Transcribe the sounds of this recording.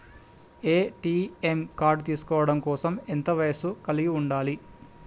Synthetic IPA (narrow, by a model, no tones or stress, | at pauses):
eːʈiːemkaːɾɖt̪iːsu̥kɔːʋɐɽɐmkɔːsɐment̪ɐʋɐjɐsukɐliɡiuɳɖaːli